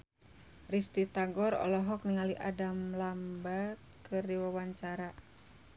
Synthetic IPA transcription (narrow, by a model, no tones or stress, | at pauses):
rist̪it̪aŋɡɔɾɔ̰lɔɦɔk̚niŋaliʔadamlamba | kɨrdiwawaɲt͡ʃaɾa